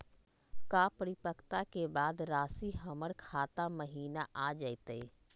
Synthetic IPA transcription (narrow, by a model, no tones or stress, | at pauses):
kaːpəɾɪpəkt̪akebaːd̪ɾaːsiɦəməɽkʰaːt̪aməɦiːnaʔaːd͡ʒaːit̪əi